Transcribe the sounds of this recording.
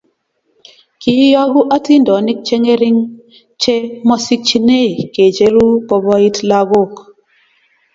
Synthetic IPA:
ki˨˦ja˦ɣu˦ʔa˦ti˦ndɔ˨˦ni˦k̚t͡ʃe˦ŋe˦ɾi˦ŋ | t͡ʃe˦mɔ˦si˦k̚t͡ʃi˦ne˦˨ke˨d͡ʒe˦ɾu˦kɔ˦bɔ˦i˦tla˦ɣo˦˨k

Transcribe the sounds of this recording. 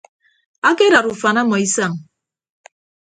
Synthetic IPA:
a˦ke˦ɾa˨ɾu˨fa˨na˦mɔ˨i˦sa˦˨ŋ

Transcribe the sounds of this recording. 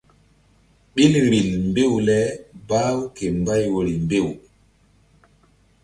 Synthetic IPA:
ɓi˦lɾi˨lmbe˦˨wlɛ˦ba˦wke˨mba˦jwo˨ɾi˨mbe˦˨w

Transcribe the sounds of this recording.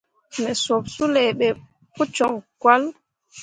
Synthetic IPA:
mɛ˨so˨bsu˦lɛ˨ɓɛ˨ | pu˦t͡ʃɔ˨ŋkwa˦l

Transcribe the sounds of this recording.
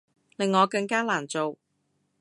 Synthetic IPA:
lɪ˨ŋːɔː˨˧kɐ˧ŋkaː˥laː˨˩nt͡so˨w

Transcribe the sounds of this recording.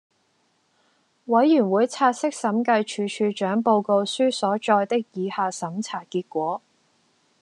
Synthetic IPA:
wɐ˨˥jjy˨˩nwuː˨˥jt͡sʰaː˧t̚sɪ˥k̚sɐ˨˥mkɐ˧jt͡ʃʰyː˨˧t͡ʃʰyː˧t͡ʃœː˨˥ŋpo˧wko˧wsyː˥sɔː˨˥t͡ʃɔː˧jt̪ɪ˥k̚jiː˨˧haː˧sɐ˨˥mt͡sʰaː˨˩kiː˧t̚kʷɔː˨˥

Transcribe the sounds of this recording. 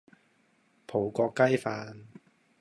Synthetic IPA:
pʰo˨˩wkɔː˧kːɐ˥jfaː˧n

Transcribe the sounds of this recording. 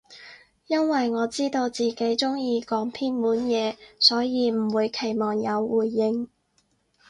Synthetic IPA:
jɐ˥nwɐ˨jŋɔː˨˧t͡siː˥t̪o˧wt͡siː˨˩ke˨˥jt͡sʊ˥ŋjiː˧kɔː˨˥ŋp̪ʰiː˥nmuː˨˥njɛː˨˧sɔː˨˥jiː˨˧m̩˨˩wuː˨˧jkʰe˨˩jmɔː˨˩ŋjɐ˨˧wwuː˨˩jːɪ˧ŋ

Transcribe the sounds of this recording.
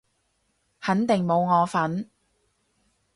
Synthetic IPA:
hɐ˨˥nt̪ɪ˨ŋmo˨˧wŋɔː˨˧fɐ˨˥n

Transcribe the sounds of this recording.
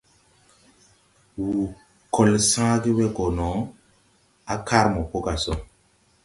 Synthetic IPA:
wu˨ | kɔ˨lsã˦ɡi˦wɛ˦ɡɔ˨nɔ˨˦ | a˦kʰa˦ɾmɔ˨po˦ka˨sɔ˦

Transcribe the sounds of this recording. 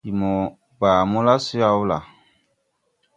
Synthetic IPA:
i˨mɔ˨ | ba˨mũ˦la˦si˦a˦u˦la̰˨

